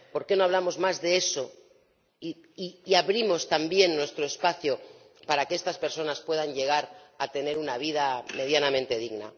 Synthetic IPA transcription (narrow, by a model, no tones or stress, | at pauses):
po̞ɾke̞no̞aβ̞lamo̞zmazðe̞eso̞ | i | iːaβɾimo̞st̪ambje̞nːwe̞st̪ɾoespaθjo | paɾakeest̪aspe̞ɾso̞naspwe̞ðaɲʎe̞ɣ̞aɾat̪e̞ne̞ɾunaβ̞ið̞ame̞ð̞janamẽnt̪e̞ð̞iɣna̰